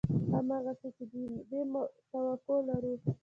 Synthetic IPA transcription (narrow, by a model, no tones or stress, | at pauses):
amaɣaset͡ʃed̪ibemt̪awakolaɾu